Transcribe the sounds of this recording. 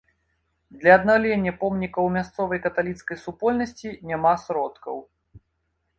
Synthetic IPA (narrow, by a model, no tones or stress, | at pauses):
d̪lʲɐːd̪nawlʲenʲːɐpɔmnʲikɐwmʲast̪sɔvɐjkɐt̪alʲit̪skɐjsupɔlʲnɐsʲt͡sʲinʲamasɾɔt̪kɐ̰w